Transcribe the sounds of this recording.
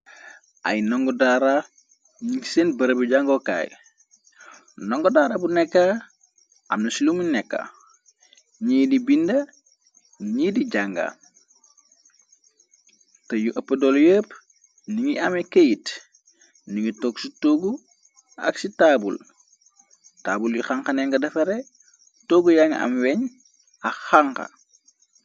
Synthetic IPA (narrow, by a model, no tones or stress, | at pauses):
ʔa̰jnoŋɡodaɾa | ɲiŋsenbɐɾəbuɟaŋɡoka̰j | nɔŋɡodaɾabunɛkːa | a̰mnɐsiluminɛkːa̰ | ɲidibinda | ɲiːdiɟaŋɡa̰ | tɐjuʔɐpːədɔljəːp | niŋiʔɐmɛkəjit | niŋitɔɡsutoːɡu | ɐ̰ksitaːbṵl | ta̰ːbuljixaŋkɐnɛŋɡɐdɐfɐɾe | toːɡujaŋɡɐ̰ʔɐ̰mwɛɲ | ɐxaŋkɐ̰